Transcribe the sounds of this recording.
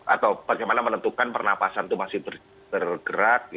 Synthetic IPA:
ʔa̰t̪awb̥aɡajmanamənənt̪ukanpərnapasant̪umasɪhbər | b̥ərɡ̥əɾat̪̚j

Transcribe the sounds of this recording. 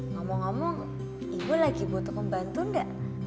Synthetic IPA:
ŋɔmɔŋɔmɔŋ | iŋɡulaɡibot̪ukʊmbant̪unɡaʔ

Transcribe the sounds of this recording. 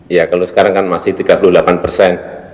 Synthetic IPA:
jakalosə̥kaɾaŋkanmasɪht̪iɡapulʊhlapanpərsɛn

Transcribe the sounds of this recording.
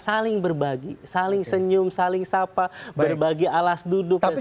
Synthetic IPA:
salɪŋbərbaɡisalɪŋsəɲʊmsalɪŋsapabərbaɡialasdudʊk̚

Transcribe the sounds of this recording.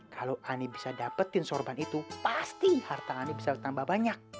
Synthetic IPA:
kʰalowʔanibisadapət̪ːɪnsɔrbanit̪upast̪ihart̪aːnibisabt̪ambahbaɲak̚

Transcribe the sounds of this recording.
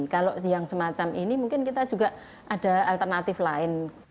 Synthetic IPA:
nkaloʔjaŋsəmat͡ʃaminimuŋkɪnkit̪ad͡ʒuɡaʔ | ʔad̥a̤alt̪ərnat̪ɪflaɪn

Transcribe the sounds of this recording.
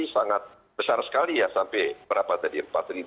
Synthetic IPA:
isaŋat̪̚ | bəsarsə̥kalijasampɛbəɾapat̪̚adiəpat̪ɾi

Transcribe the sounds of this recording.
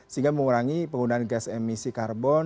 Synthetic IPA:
siŋɡaməŋuɾaŋipəŋunaanɡɛsɛmisikarbɔn

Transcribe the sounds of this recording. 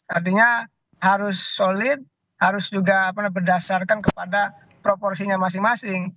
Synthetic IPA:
art̪iɲa | haɾʊsːolɪt̪̚ | haɾʊsd͡ʒuɡaːpanabərdasarkankəpada | pɾopɔrsiɲamasɪŋmasɪŋ

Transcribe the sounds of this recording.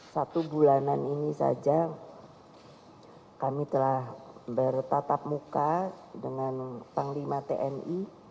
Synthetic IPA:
sat̪ubulananinisa̰d͡ʒa | kamit̪əlahbərt̪at̪ap̚mukadəŋant̪aŋlimat̪eʔɛni

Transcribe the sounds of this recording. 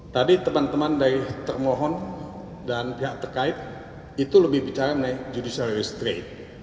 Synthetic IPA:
t̪adit̪əmant̪əmandaɾɪht̪ərmɔɦɔn | danpiɦaʔt̪ərkaɪt̪̚ | it̪uləbɪhbit͡ʃaɾamənajd͡ʒudisalɾist̪ɾet̪̚

